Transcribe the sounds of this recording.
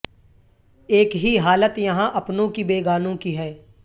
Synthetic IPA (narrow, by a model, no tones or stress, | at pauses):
eːkɦiɦaːlət̪jɐɦãʔɐpnõkibeːɡaːnõkiɦɛː